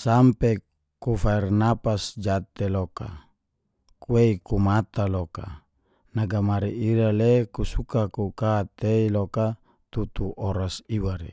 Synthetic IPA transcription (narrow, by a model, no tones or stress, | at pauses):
sampe | kufairnapasd͡ʒat̪eloka̰ | kueikumat̪aloka̰ | naɡamaɾiiɾalekusukakukat̪eiloka | t̪ut̪uʔoɾasiwaɾḛ